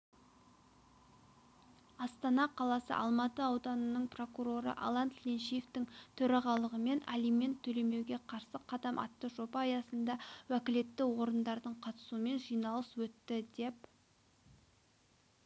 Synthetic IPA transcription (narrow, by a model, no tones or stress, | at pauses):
ɑst̪ɑnɑqʰɑlˠɑsə̰ʔɑ̰lˠmɑt̪əɑwd̪ɑnənəɴpro̞kuɾo̞ɾə̰ʔa̰lˠɑnt̪lʲenʃijeft̪ɪŋt̪ʰɵɾɑʁɑlˠəʁəme̞nʔa̰lijme̞nt̪ʰːɵle̞me̞wɡʲe̞qʰɑɾsəqʰɑd̪ɑmʔɑ̰t̪ːəʒo̞pɑːjɑsənd̪ɑwækʲɪle̞t̪ːɪwo̞ɾənd̪ɑɾd̪əɴqʰɑt̪ə̥suəme̞nʒijnɑlˠəswɵt̪ːɪd̪e̞p